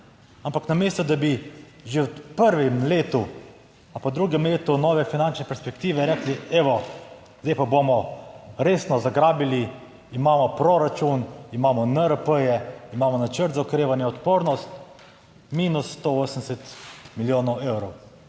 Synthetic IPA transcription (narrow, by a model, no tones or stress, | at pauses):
ampaknameːst̪ɔd̪abi | ʒewpəɾʋɛmleːt̪u | apad̪ɾuːɡɛmleːt̪unɔːʋɛfinant͡ʃnɛpɛɾspɛkt̪iːʋɛɾɛkliɛʋɔ | zd̪eɛjpabomɔɾeːsnɔzaɡɾaːbili | imaːmɔpɾɔɾat͡ʃunimaːmɔnəɾəpəjɛimaːmɔnat͡ʃəɾt̪zaɔkɾeːʋanjɛɔt̪poːɾnɔst̪ | miːnusːt̪ooːsənd̪ɛsɛt̪miljoːnɔweːwɾɔw